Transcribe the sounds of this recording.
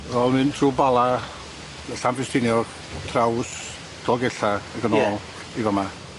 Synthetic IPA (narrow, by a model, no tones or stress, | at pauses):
ɔnɨntʰruːbalˠa | əɬambɪstʰɪnjɔ | tʰraws | tʰɔɡɛɬaəɡənɔːlˠ | ivɔma